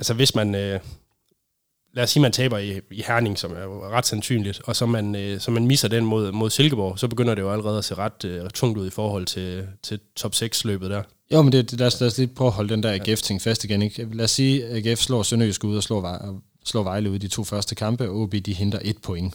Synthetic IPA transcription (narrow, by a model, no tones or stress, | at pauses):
ælsəʋe̝smænø | læːsːiːmænt͡sʰɛ̰ːb̥ɐiihæɐne̝ŋsɒ̽mæɐjoʁɑ̈d̥sænsy̰ːnlid̥ɒ̽sɒ̽mænøsɒ̽mænmisɐd̥enmo̝ð̰ˠmo̝ð̞ˠse̝lɡ̥əb̥ɒ̰ʊsɒ̽b̥e̝ɡ̥øn̰ɐd̥e̝jo̝æləʁɛːð̞̩ˠæse̝̰ːʁɑ̈d̥t͡sʰɔ̽ŋ̰d̥uð̞̰ˠifɒːhɒ̽l̰t͡sʰe̝t͡sʰe̝t͡sʰɒ̽b̥seɡ̥slø̰ːb̥ð̩ˠd̥æɐ | jomend̥e̝̥læɐslæsliːpʰʁ̥œʊɐɦɒ̽ləd̥end̥æɐæɡeft͡sʰeŋ̰̥fæsd̥iɡ̥eneɡ̥læːsːiːæɡ̥efslɒ̰ːsɒnyjusɡ̥æuðˠɒslɔ̰ː | slɔ̰ːʋɑ̈ɪləuðˠdit͡sʰo̝̰ːfɶɐsd̥əkʰɑ̈mb̥əɔːb̥id̥iɦe̝nd̥ʁɐʔe̝d̥̚pʰo̽eŋ